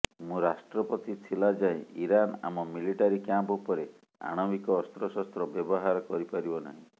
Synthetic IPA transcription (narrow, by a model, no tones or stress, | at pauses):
mũɾasʈɾɔpɔt̪it̪ʰilad͡ʒaeiɾana̰mɔmiliʈaɾikjampupɔɾe | a̰ɽ̃ɔmikɔːst̪ɾɔsɔst̪ɾɔbjɔbɔɦaɾɔkɔɾipaɾibɔna̰ɦĩ